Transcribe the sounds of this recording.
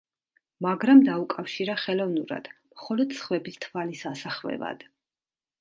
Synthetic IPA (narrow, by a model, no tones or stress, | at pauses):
maɡɾamd̪aukʼafʃiɾaχɛlˠɔvnuɾa̰d̪̥mχɔlɔd̪sχvɛbist̪ʰvalisasaχvɛ̰va̰d̪̥